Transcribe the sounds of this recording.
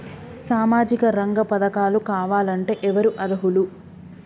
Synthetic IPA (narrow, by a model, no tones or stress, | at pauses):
saːmaːd͡ʒikɐɾɐŋɡɐpɐd̪ɐkaːlukaːʋaːlɐɳʈe̞ːʔɛʋɐɾuʔɐd̪ɐɦulu